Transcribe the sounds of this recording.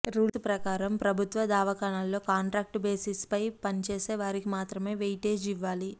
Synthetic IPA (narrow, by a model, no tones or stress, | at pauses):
ɾuːspɾɐkaːɾɐmpɾɐbʱut̪ʋɐd̪aːʋɐkaːɳaːlːo̞ːkaːɳʈɾaːk̚ʈbe̞ːsispɐjpɐnt͡ʃe̞ːse̞ːʋaːɾikimaːt̪ɾɐme̞ːʋejʈe̞ːd͡ʒiʋːaːli